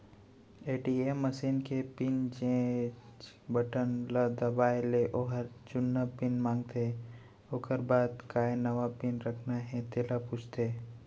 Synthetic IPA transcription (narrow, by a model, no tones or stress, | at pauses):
eːʈiːemːəsiːnkepɪnd͡ʒẽt͡ʃ | bəʈənləd̪ɐbaːeleʔoːɦəɾt͡ʃʊnːəpɪnmãːŋɡt̪e | oːkəɾbaːd̪kaːenɐʋapɪnɾəkʰnaɦɛ̃t̪eːlapʊt͡ʃʰt̪eː